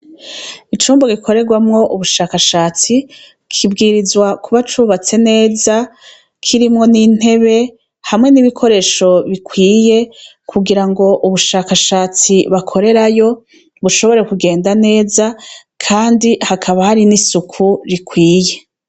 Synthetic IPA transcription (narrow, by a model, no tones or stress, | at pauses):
it͡ʃuːmboɡikʰo̞ɾe̞ɡwamŋo̞ʔuβuʃaːkaʃaːt͡si | kʰibɡiːɾizwakuβat͡ʃuːβat͡se̞ne̞ːza | kʰiɾimŋo̞nin̥e̞βe̞ | hamŋe̞niβikʰo̞ɾe̞ːʃo̞βikwiːje̞ | kuɡiɾaŋɡo̞ʔuβuʃaːkaʃaːt͡siβakʰo̞ɾe̞ɾajo̞ | βuʃo̞βo̞ɾe̞kuɡe̞ːndane̞ːza | kʰaːndihakʰaβahaɾinisukʰuɾikwiːje̞